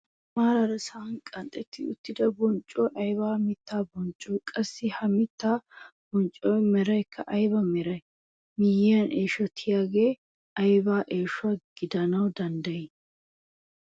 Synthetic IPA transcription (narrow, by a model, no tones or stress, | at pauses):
maːɾɐɾɐsaːnkʼɐnt̪ʼɛt̪ːɪʊ̰t̪ːɪd̪ɐbɔnt͡ʃʼːoːʔɐjβaːmɪt̪ːaːbɔnt͡ʃʼːoːkʼɐsːɪhɐmɪt̪ːaːb̥ɔnt͡ʃʼːoːjmɛɾɐjkːɐʔɐjbɐmɛɾɐj | mɪjɐnʔeːʃɔt̪ʰɪjaːɡeː | ɐjbaːʔeːʃʊaɡ̥ɪd̪ɐnɐwd̪ɐnd̪ɐjɪ